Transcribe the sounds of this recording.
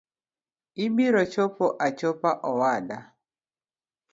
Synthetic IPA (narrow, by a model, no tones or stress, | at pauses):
ibiɾɔt͡ʃopoʔat͡ʃopaʔɔwada